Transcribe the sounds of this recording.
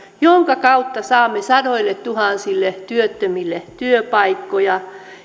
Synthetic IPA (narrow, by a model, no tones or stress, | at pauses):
joŋkɑkɑut̪ːɑsɑːmːesɑdoilːett̪uhɑˑnsilːet̪yøt̪ːømilːet̪yøpɑikːojɑ